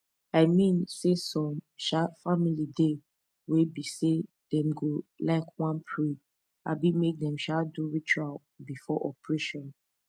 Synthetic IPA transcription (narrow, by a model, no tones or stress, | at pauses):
aɪmĩnsesɔ̃mʃafamilide | webise | d̥ɛ̃mɡolaɪkwãnpʰɹi | a̰bimek̚dɛ̃mʃaduɹit͡ʃual | bifɔʔɔpʰɹeʃɔ̃n